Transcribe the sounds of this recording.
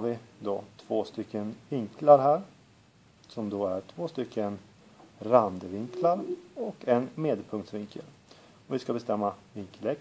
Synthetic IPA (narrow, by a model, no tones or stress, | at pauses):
ɾvɪd̪ɔt̪ʰvoːst̪ʏkʰːənvɪŋklaɾɦæːɾ | sɔmd̪oæʈʰvoːst̪ʏkʰːən | ɾand̪əvɪŋkʰlaɾɔkʰɛnmeːd̪pʰɵŋkt̪svɪŋkʰə̰l | ɔvɪskabɛst̪ɛmːavɪŋkəlɛk